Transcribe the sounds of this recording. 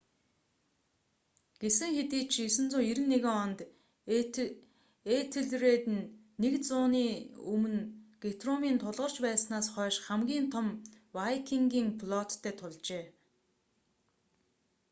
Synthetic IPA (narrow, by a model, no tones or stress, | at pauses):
ɡ̥esɘ̆ŋxet̪iːt͡ɕʰisɘ̆nt͡sʊːiɾɘ̆nːeɣɪ̆ŋɔnt̪ | et̪ʰɘ̆ɮreːt̪ɘ̆nː | ekt͡sʊːniːɵmɘ̆nɡ̥et̪romiːnt̪ʰʊɮʁɞ̆r̥t͡ɕpæːsnaːsχœːʃχæmɡʲiːnt̪ʰɔm | wajkʰiŋɡʲiːŋpɮɔt̪ʰːæːt̪ʰʊɮt͡ɕeː